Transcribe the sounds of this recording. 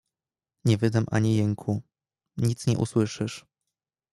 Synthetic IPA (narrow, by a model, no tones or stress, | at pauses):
ɲɛvɘd̪amʔa̰ɲijɛŋkʰu | ɲit̪sɲɛʔṵswɘʂɘʂ